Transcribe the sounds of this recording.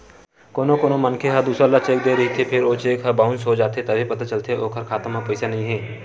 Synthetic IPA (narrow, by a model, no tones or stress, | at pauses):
koːnõkoːnomənkʰeɦəd̪uːsɾalat͡ʃeːk̚d̪eːɾɐɦit̪ʰepʰɪɾoːt͡ʃeːkɦəbaːʊ̃nsɦod͡ʒaːt̪et̪ɐbʱipɐt̪at͡ʃəlt̪ʰeʔoːkʰəɾkʰaːt̪əməpəɪsanɐɦĩɦɛː